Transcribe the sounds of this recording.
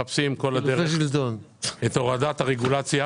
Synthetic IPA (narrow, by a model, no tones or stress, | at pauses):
apsimko̞lad̪eʁeʃilt̪on | et̪o̞ʁad̪at̪haʁeɡulat͡sja